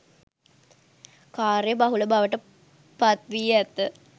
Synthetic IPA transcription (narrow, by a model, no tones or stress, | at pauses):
kaːɾejəbaɦuləbaʋəʈə | pat̪ʋijɛt̪ːə